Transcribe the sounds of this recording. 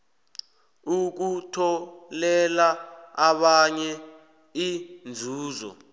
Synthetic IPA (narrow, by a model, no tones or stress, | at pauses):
uk̬utʰɔlɛlaaɓaɲɛ | ind͡zʱuːzɔ̰